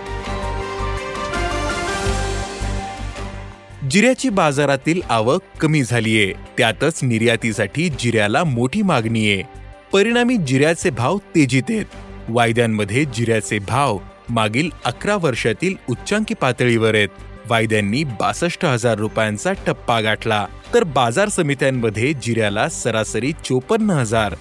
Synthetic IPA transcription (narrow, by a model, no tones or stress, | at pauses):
d͡ʑiɾjat͡ɕiːbad͡zaɾat̪iːlaʋəkkːəmiːd͡zʱaliːjet̪jat̪ət͡sniɾjat̪isaʈʰiːd͡ʑiɾjalamoʈʰiːmaɡnijepəɾiɽ̃amiːd͡ʑiɾjat͡sebʱaʋt̪ed͡ʑiːt̪et̪̚ʋajd̪jamːəd̪ʱːjed͡ʑiɾjat͡sebʱawmaɡiːləkɾaʋəɾʂat̪iːlutːɕãŋkipat̪ɭiʋəɾet̪̚ʋajd̪janːiːbasəʂʈəɦəd͡zaɾːupjãnt͡saʈʰəpːaɡʱaʈʰla | t̪əɾbad͡zaɾsəmit̪jamːəd̪ʱːjed͡ʑiɾjalasəɾasəɾiːt͡sopənːəɦəd͡zaɾ